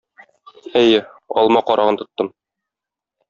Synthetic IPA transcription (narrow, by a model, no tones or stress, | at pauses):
æjɘ | ɒ̰lˠmɑqɒɾʔɑʁɤnt̪ŏt̪ːɤm